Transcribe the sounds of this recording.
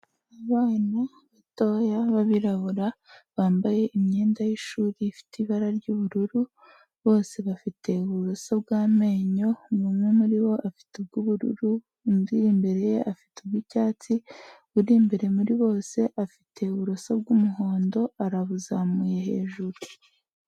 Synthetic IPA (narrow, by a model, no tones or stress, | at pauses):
aβaːna | βato̞jaβaβiɾaβuɾaβaːmbaje̞ʔimɲe̞ːndajiʃuːɾifi̥tiβaɾaɾɟuβuɾuɾu | βo̞ːse̞βafitʰe̞uβuɾosabɡaːme̞ɲo̞mumwemuɾiβo̞ʔafi̥tub̚ɡuβuɾṵɾu | muɾiimbeɾe̞jeʔafi̥tubɡicaːt͡siβuɾiːmbeɾe̞muɾiβo̞ːse̞ʔafitʰe̞uβuɾosabɡumuɦo̞ːndo̞aɾaβuzamuje̞he̞̰ːʒuɾu